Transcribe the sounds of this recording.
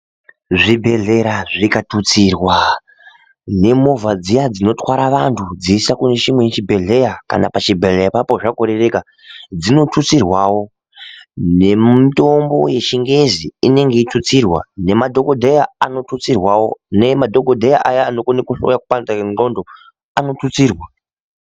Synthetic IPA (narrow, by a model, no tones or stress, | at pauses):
ʐibʱe̞ɮe̞ɾaʐikatut͡sirwa | ne̞mo̞vad͡zijad͡zino̞twaɾaʋantʰud͡ziːsakune̞t͡ʃimwejt͡ʃibʱe̞ɮe̞jaka̰na̰pat͡ʃibʱeɮejapapo̞ʐakoɾere̞ka | d͡zino̞tʰut͡sirwawo̞ | ne̞mito̞mbo̞̰je̞ʃiŋɡe̞ziine̞ŋɡe̞itʰut͡sirwa̰ne̞madʱo̞ko̞dʱejaano̞tut͡sirwawo̞̰nemadʱo̞ko̞dʱejaʔajaːno̞konikuɬo̰jakupand͡zao̞ndo̞ | ano̞tut͡siːrwa